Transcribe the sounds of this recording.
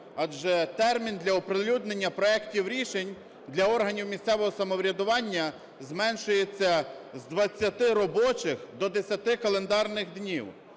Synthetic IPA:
ɑd͡ʒɛt̪ɛrmʲind̪lʲɐɔpɾelʲud̪nenʲːɐpɾɔɛktʲiwɾʲiʃenʲ | d̪lʲɐɔrɦɐnʲiwmʲisʲt̪ɛʋɔɦɔsɐmɔʋɾʲɐd̪ʊʋɑnʲːɐ | zmɛnʃʊjet͡sʲːɐzd̪ʋɐt͡sʲːɐt̪ɪɾɔbɔt͡ʃɪxd̪ɔd̪esʲɐt̪ɪkɐlˠend̪ɑrnɪxd̪nʲḭw

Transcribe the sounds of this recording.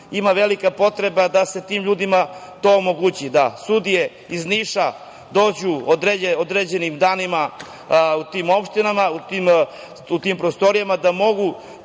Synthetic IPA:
imaʋelikapo̞t̪ɾe̞bad̪ase̞t̪iːmʎuːd̪imat̪o̞ːmo̞ɡut͡ɕid̪a̰sud̪ije̞ | izniːʃa | d̪o̞ːd͡ʑuod̪ɾeeod̪ɾed͡ʑe̞nimd̪aːnima | ut̪iːmo̞pʃt̪inamaut̪iːm | ut̪iːmpɾost̪o̞ɾijamad̪amo̞ɡu

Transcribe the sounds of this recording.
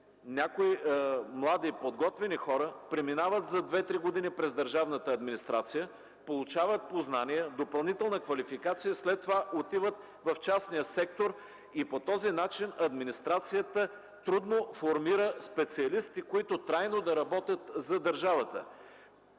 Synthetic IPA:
nʲakoimlˠad̪ipod̪ɡɔt̪vɛnixɔɾəpɾɛminavət̪zɐd̪vɛt̪ɾiɡod̪inipɾɛzd̪əɾʒavnət̪əːd̪minist̪ɾat̪sijə | polˠʊt͡ʃavət̪̚poznaniəd̪opɐlˠnit̪ɛlˠnəkvɐlifikat̪sijəslɛt̪ːovaʔot̪ivət̪ | vɐft͡ʃasnijəsɛk̚t̪oɾ | ipot̪ɔzinat͡ʃinɐd̪minist̪ɾat̪sijət̪ə | t̪ɾud̪nofoɾmiɾəspɛt̪siɐlist̪ikoit̪ot̪ɾajnod̪ɐɾɐbɔt̪ʲjət̪zɐd̪əɾʒavət̪ə̰

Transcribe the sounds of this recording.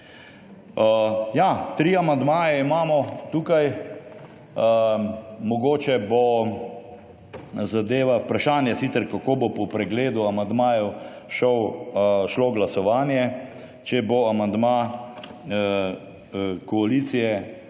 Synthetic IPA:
jat̪ɾiːamand̪maːjɛimaːmɔt̪uːkaj | mɔɡoːt͡ʃɛbo | zad̪eːʋaupɾaʃaːnjɛsit̪ɛɾkakobopɔpɾɛɡleːd̪uamand̪maːjɛw | ʃɔwʃloɡlasɔʋaːnjɛ | t͡ʃɛboamand̪ma | kɔaliːt̪sijɛ

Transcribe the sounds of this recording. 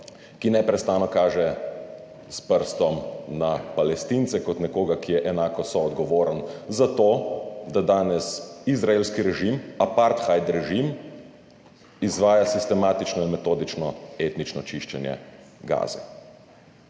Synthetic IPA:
kinɛpɾɛst̪aːnɔkaːʒɛ | spəɾst̪ɔmnapalɛst̪int̪sɛkɔt̪nɛkoːɡakijɛʔɛnaːkɔsɔːd̪ɡɔʋoːɾənzat̪oːd̪ad̪aːnɛsizɾaeːlskiɾɛʒimapaɾt̪xajd̪ɾɛʒim | izʋaːjasist̪ɛmaːt̪it͡ʃnɔinmɛt̪oːd̪it͡ʃnɔeːt̪nit͡ʃnɔt͡ʃiʃt͡ʃɛnjɛ̰ | ɡa̰ːzɛ̰

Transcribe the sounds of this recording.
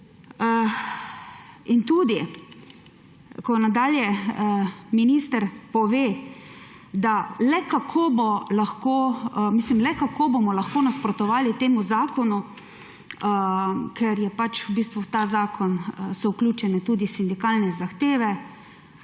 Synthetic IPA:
int̪ud̪i | kɔnad̪aːljɛ | minist̪əɾpɔʋeː | d̪alɛkakʰoːbɔlaxkoːmiːslimlɛkakʰoːbomɔlaxkoːnaspɾɔt̪ɔʋaːlit̪eːmuzaːkɔnu | kʰɛɾjɛpat͡ʃubiːst̪ʋut̪aːzaːkɔnsɔwklʲuːt͡ʃɛnɛt̪uːd̪isind̪ikaːlnɛzaxt̪eːʋɛ

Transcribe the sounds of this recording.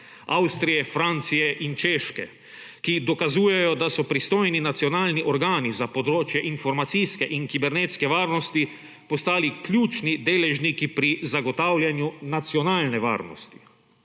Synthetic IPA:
awst̪ɾijɛfɾant̪sijɛʔint͡ʃeːʃkɛ̰ | kid̪ɔkazuːjɛjɔd̪asɔpɾist̪oːjninat̪siɔnaːlniʔɔɾɡaːnizapɔd̪ɾoːt͡ʃjɛʔinfɔɾmat̪sijskɛʔiŋkibɛɾneːt̪skɛʋaːɾnɔst̪i | pɔst̪aːliklʲjuːt͡ʃnid̪eːlɛʒnikipɾizaɡɔt̪aːwlʲjanjunat̪sijɔnaːlnɛʋa̰ːɾnɔ̰st̪i̥

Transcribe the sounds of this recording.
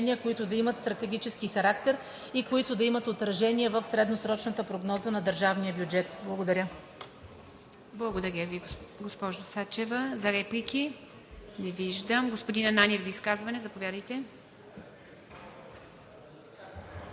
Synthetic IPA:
ɛniəkoit̪ʊd̪ɐimət̪st̪ɾɐt̪ɛɡʲit͡ʃɛskixɐɾakt̪ɛɾ | ikoit̪ʊd̪ɐimət̪ot̪ɾɐʒɛniɛvəfsɾɛd̪nosɾɔt͡ʃnɐt̪əpɾoɡnɔzənɐd̪əɾʒavnijəbjud͡ʒɛt̪blˠɐɡod̪ɐɾʲə | blˠɐɡod̪ɐɾʲjəviɡospɔʒosat͡ʃɛvəzɐɾɛplikʲi | nɛviʒd̪əmɡospod̪inɐnanʲiɛvzɐiskazvɐnɛzɐpovʲjad̪əjt̪ɛ

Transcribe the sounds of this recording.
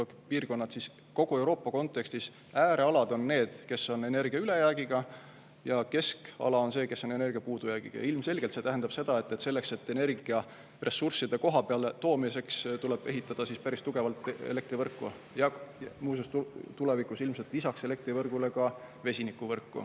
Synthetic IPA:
piːrko̞nːɑt̪sis | ko̞ɡ̥ue̞wɾo̞ːpːɑko̞nt̪ːˑe̞kst̪is | æːɾe̞ɑlɑd̪̥o̞nːe̞ːd̪̥ke̞sːo̞ne̞ne̞rɡ̥iɑyle̞jæːɡ̥iɡ̥ɑ | jɑke̞skɑ̰lɑo̞nse̞ːke̞sːo̞ne̞ne̞rɡiɑpuːd̪̥ujæːɡ̥ḭɡ̥ɑ̰j̰ilmse̞lʲɡelt̪set̪æɦend̪ɑb̥se̞d̪̥ɑe̞t̪ːe̞t̪se̞lːe̞kse̞t̪ːe̞ne̞rɡiɑ | re̞sursid̪e̞ko̞ɦɑpe̞ɑlt̪o̞ːmise̞kst̪ule̞b̥e̞ɦit̪ˑːɑd̪̥ɑsispæɾist̪uɡ̥e̞vɑlt̪ːˑḛle̞k̚t̪ɾrivɤrkːˑu | jɑmuːs̬est̪t̪ulevikusilmse̞lt̪lisɑkse̞le̞k̚t̪ɾrivɤrɡ̥ule̞kɑ | ve̞sʲinikːˑuvɤrkːṵ

